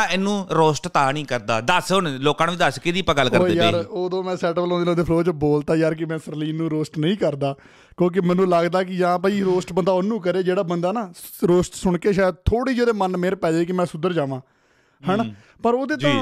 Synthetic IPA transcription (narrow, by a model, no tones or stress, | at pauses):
ɛnũːɾoːsʈt̪aːnĩːkəɾd̪aːd̪əsoːnloːkãːnʋiːd̪əskɪd̪iːəpãːɡəlːkəɾːejaeːɾoːd̪õːmɛ̃ːsɛːʈəbəlõːnd̪eːnãːd̪eːpʰloːt͡ʃəboːlt̪aːjaːɾkɪmɛ̃ːsəɾliːnːũːɾoːsʈnəĩːkəɾd̪aː | kjõːk̬ɪmɛ̃ːnũːləɡd̪aːk̬ɪd͡ʒãːpəiːɾoːsʈbənd̪aːonũːk̬əɾeːd͡ʒeːɽaːbənd̪aːnaːɾoːsʈsʊɳkeːʃaːjd̪̚t̪ʰoːɽiːd͡ʒeːd̪eːmənmeːɾepɛːd͡ʒeːk̬ɪmɛ̃ːsʊd̪əɾd͡ʒaːʋãː | hɛːn | pəɾoːd̪eːt̪õ